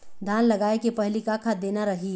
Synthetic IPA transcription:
d̪ʱaːnləɡaːekepɐɦlikaːkʰad̪eːnaɾɐɦi

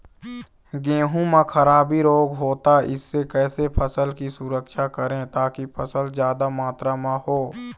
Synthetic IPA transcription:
ɡẽːɦũmãkʰəɾaːbiɾoːɡɦoːt̪aɪ̰sːekɛːsepʰəsəlkisʊɾəkʃakəɾẽt̪aːkipʰəsəlzjaːd̪amaːt̪ɾamãɦoː

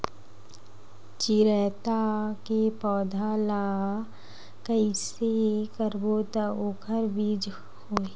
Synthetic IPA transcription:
t͡ʃiɾɛːt̪akepɔːd̪ʱala | kəisekəɾboːt̪əoːkʰəɾbiːd͡ʒ | hoːe

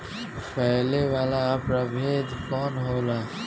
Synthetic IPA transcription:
pɛɦleʋaːlapɾabʱeːd̪kɔːnɦoːlaː

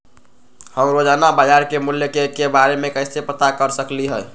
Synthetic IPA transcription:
həmɾod͡ʒanabəd͡ʒaɾkemuljekekebaɾemekəɪsepət̪akəɾsəkliɦɛɛ

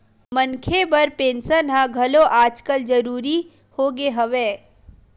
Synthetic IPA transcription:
mənkʰebɐɾpẽːnsənɦãɡʱɐloʔaːd͡ʒkəld͡ʒəɾuːɾi | hoɡeɦɐʋeː

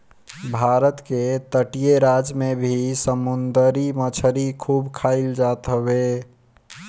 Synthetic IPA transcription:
bʱaɾət̪ket̪əʈijeɾad͡ʒmebʱisəmund̪əɾimət͡ʃʰəɾikʰubkʰaɪld͡ʒat̪ɦəbe

